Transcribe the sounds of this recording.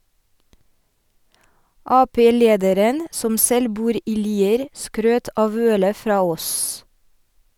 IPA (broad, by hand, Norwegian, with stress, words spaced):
ˈɑːˌpeː ˈleːdəɾən ˈsɔm ˈsɛl ˈbuːɾ ˈiː ˈliːəɾ ˈskɾøːt ˈʔɑːʋ ˈœlə ˈfɾɑː ˈoːs